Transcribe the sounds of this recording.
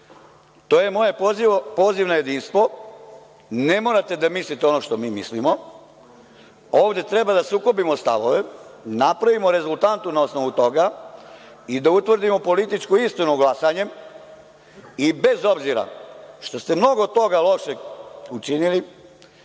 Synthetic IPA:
t̪o̞ːje̞mo̞jeipo̞ːziʋnaje̞d̪iːnst̪ʋo̞ | ne̞mo̞ɾat̪e̞d̪amislit̪eo̞no̞ʃt̪omiːmislimo̞ | o̞ːʋd̪e̞t̪ɾe̞bad̪asukobimost̪a̰ʋoʋenapɾaʋimoɾe̞zult̪ant̪unaosnoʋut̪o̞ɡa | id̪aut̪ʋr̩d̪imo̞po̞lit̪it͡ʃkoist̪inuɡlasaɲe̞m | ibe̞zo̞bziɾa̰ʃt̪o̞st̪e̞mno̞ɡot̪o̞ɡalˠo̞ʃeut͡ʃinili

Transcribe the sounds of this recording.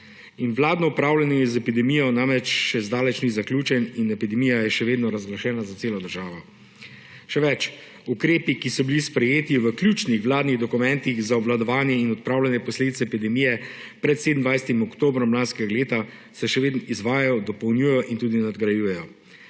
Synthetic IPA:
inʋlaːd̪nɔupɾaːwlanjɛzɛpid̪ɛmijɔnamɾɛt͡ʃʃɛzd̪aːlɛt͡ʃnizaklʲjuːt͡ʃɛninɛpid̪ɛmijajɛʃɛʋeːd̪nɔɾazɡlaʃɛːnazat̪seːlɔd̪əɾʒaːʋɔ | ʃɛʋɛt͡ʃ | ukɾeːpikisɔbilispɾɛjeːt̪iʋəklʲjuːt͡ʃnixʋlaːd̪niɣd̪ɔkumɛnt̪iɣzaɔblad̪ɔʋaːnjɛinɔt̪̚pɾaːwlanjɛpɔsleːd̪it̪sɛɛpid̪ɛmijɛ | pɾɛt̪sed̪nd̪ʋajsɛt̪imɔkt̪oːbɾɔmlaːnskɛɡaleːt̪a | sɛʃɛʋeːd̪nɔizʋaːjajɔd̪ɔpɔwnjuːjɛjɔʔint̪uːd̪inad̪ɡɾajujɛjɔ

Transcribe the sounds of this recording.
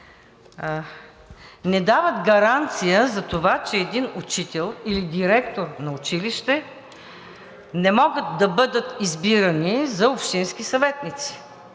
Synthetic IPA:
nɛd̪avət̪ɡɐɾant̪sijəzɐt̪ovat͡ʃɛːd̪inʊt͡ʃit̪ɛlˠilid̪iɾɛk̚t̪oɾnɐʊt͡ʃiliʃt̪ɛ | nɛmɔɡət̪̚d̪ɐbɤd̪ət̪izbiɾənizɐopʃt̪insk̟isɐvɛt̪nit̪si̥

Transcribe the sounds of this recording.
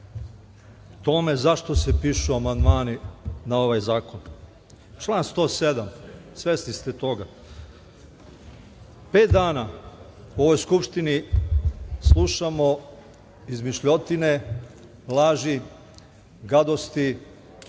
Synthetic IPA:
t̪o̞me̞zaʃt̪o̞sepiːʃuamand̪maːninao̞ʋajzaːko̞n | t͡ʃlˠaːnst̪o̞ːsed̪amsʋesnist̪et̪o̞ɡa | pe̞ːt̪̚d̪aːnauo̞ʋo̞jskupʃt̪ini | slˠuʃamo̞ | izmiʃʎot̪ine̞ | lˠaːʒi | ɡad̪ost̪i

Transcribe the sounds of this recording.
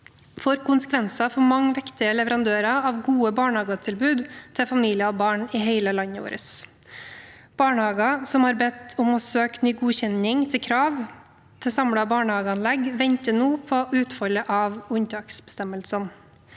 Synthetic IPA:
fɔɾkʰʊnsə̥kʰʋɛnsɑfɔmɑŋːəʋɪkt̪ɪəlɛʋəɾɑnd̪øːɾɑɑʋɡuːəbɑːɳəhɑːɡɑt̪ʰɪlbʉːd̪t̪ʰɪfɑmiːlɪəɔbɑːɳɪɦeɪləlɑɲːəo̰ːɾʔə̰s | b̥ɑːɳəhɑːɡɑsɔmhɑːɾbɛt̪ːʊmɔsøːknyːɡuːçɛnɪŋt̪ʰɪlkʰɾɑːʋ | t̪ʰɪsɑmɽɑbɑːɳəhɑːɡəɑnlɛɡʋɛɲt̪ənuːpʰɔʔʉːt̪fɔljəʔɑʋʊnt̪ɑːksbə̥st̪ɛməlsən

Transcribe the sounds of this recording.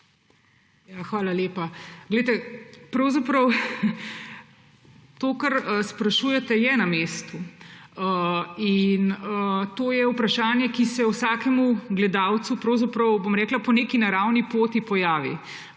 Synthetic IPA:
jaxʋaːlaleːpaɡlɛjt̪ɛpɾɐwzapɾɐw | t̪oːkaɾəspɾaʃuːjɛt̪ɛjɛnameːst̪uəinət̪oːjɛupɾaʃaːnjɛkisɛusaːkɛmuɡlɛd̪aːwt̪supɾɔwzapɾɐwbomɾɛːklapɔneːkinaɾawnipoːt̪ipɔjaːʋḭ

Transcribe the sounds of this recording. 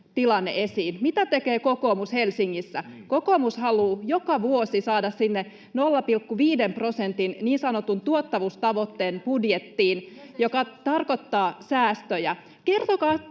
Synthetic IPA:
t̪ilɑnːḛʔesiːnmit̪æt̪ekeːkokoːmushelsiŋːisːækokoːmushɑluːjokɑʋuosisɑːdɑssinːe | nolːɑpilkːuʋiːdemprosent̪inniːnsɑnot̪unt̪uot̪ːɑʋust̪ɑʋot̪ːeːnpudjet̪ːiːnjokɑt̪ɑrkot̪ːɑːsæːst̪øjɑ | kert̪okɑː

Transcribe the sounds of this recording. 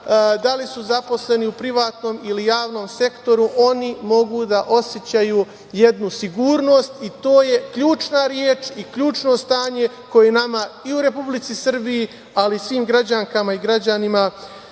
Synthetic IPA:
d̪alisuzapo̞sle̞niupɾiʋaːt̪no̞ːmilijaːʋno̞ːmse̞kt̪o̞ɾuʔo̞nimo̞ɡud̪aʔo̞sjet͡ɕaju | je̞d̪nusiɡuːɾno̞ːst̪it̪o̞ːje̞kʎuːt͡ʃnaɾjeːt͡ʃikʎuːt͡ʃno̞st̪aːɲe̞ | ko̞jenamaiuɾe̞publit̪sisr̩biji | alisʋiːmɡɾad͡ʑaŋkamaiɡɾad͡ʑanima

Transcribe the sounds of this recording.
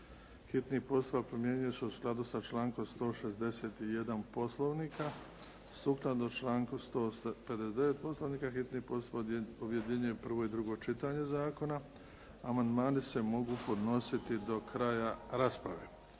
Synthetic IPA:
hit̪nihpo̞st̪upapɾomjeɲujosuusklˠad̪usat͡ʃlaːŋko̞mst̪o̞ːʃe̞zd̪e̞set̪ije̞d̪anpo̞slˠo̞ʋniːka | suːklˠad̪ot͡ʃlaːŋkust̪o̞ːpe̞d̪esd̪eʋet̪̚poslˠo̞ʋniːkaxit̪nipo̞st̪upaoʋjed̪iɲeepr̩ʋo̞id̪ɾuɡo̞ːt͡ʃit̪aːɲe̞zaːko̞na | amand̪maːnise̞mo̞ɡuːpo̞d̪no̞sit̪id̪o̞kɾaːjaɾaspɾaʋeː

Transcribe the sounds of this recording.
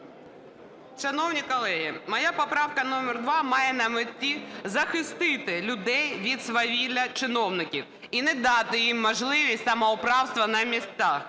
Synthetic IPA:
ʂɐnɔwnʲikɔlˠɛɦʲimɐjapɔpɾɑwkɐnɔmʲɛrd̪ʋɑmɑjɛnɐmɪt̪ʲːizɐxɪst̪ɪt̪ɪlʲʊd̪ɛjʋʲid̪sʋɐʋʲilʲɐt͡ʃɪnɔwnɪkʲiw | inɛd̪ɑt̪ɪjimːɔʒlˠɪʋʲisʲtʲsɐmɐʊpɾɑwst̪ʋɐnɐmʲist̪ax

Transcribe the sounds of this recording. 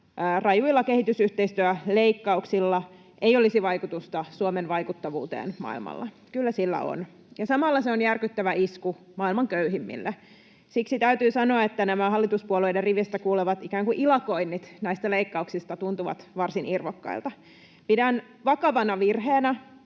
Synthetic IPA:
rɑjuilːɑke̞hit̪ysyht̪eist̪yæleikːɑuksilːɑ | ʔejolisiʋɑjkut̪ust̪ɑsuomenʋɑjkut̪ːɑʋṵːt̪ḛːnmɑ̰ḭlmɑ̰lːɑ̰ | kylːæsilːæ̰o̰n | jɑsɑmɑlːɑseonjærkyt̪ːæʋæisku | mɑilmɑŋkøyɦimːḭlːʔe | siksit̪æyt̪yːsɑnoɑet̪ːænæmæhɑlːit̪uspuoleiderriʋest̪ækuːleʋɑt̪ikæːŋkuʔilɑkoinːit̪næist̪æleikːɑuksist̪ɑt̪unt̪uʋɑ̰t̪ʋɑrsinirʋokːɑ̰ilt̪ɑ | pidæn | ʋɑkɑʋɑnɑʋirheːnæ

